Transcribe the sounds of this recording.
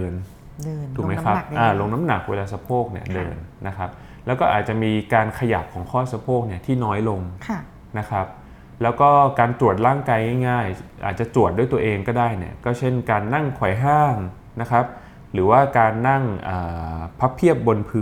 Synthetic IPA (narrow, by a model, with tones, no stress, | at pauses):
nːʰ˧ | u˨˩ma˦kʰa˦˥p̚ʔaː˧˩lo˧ŋna˦˥mna˨˩k̚weː˧laː˧sa˧pʰoː˥˩k̚ni˥˩ədɤː˧nːa˦˥kʰa˦˥p̚ | lɛː˦˥wkɔː˥˩ʔa̰ː˨˩t̪̚t͡ɕa˨˩miː˧kaː˧nkʰa˧ja˨˩p̚kʰɔː˩˦ŋkʰɔː˥˩sa˧pʰoː˥˩k̚ni˥˩ɐt̪ʰiː˥˩nɔː˦˥jlo˧ŋʰ | na˦˥kʰa˦˥p̚ | lɛː˦˥wkɔː˥˩kaː˧nt̪ɾu˨˩ət̪̚laː˥˩ŋkaː˧jŋa˥˩jŋaː˥˩jʔa̰ː˨˩t̪̚t͡ɕa˨˩t̪u˨˩t̪̚du˥˩jt̪u˧əʔeː˧ŋkɔː˥˩daː˥˩jnḭ˦˥˩ɐkɔː˥˩t͡ɕʰe˥˩nkaː˧nːa˥˩ŋkʰɔ˨˩jɦaː˥˩ŋ | na˦˥kʰa˦˥p̚ | ɾɯː˩˦waː˥˩kaː˧nːa˥˩ŋʔəː˨˩pʰa˦˥pʰːi˥˩əp̚bo˧npʰɯː˧